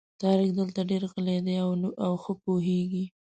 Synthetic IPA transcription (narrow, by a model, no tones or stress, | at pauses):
t̪ɑɾɪkd̪əlt̪aɖeɾɣəled̪eawawxəpoɦeɡi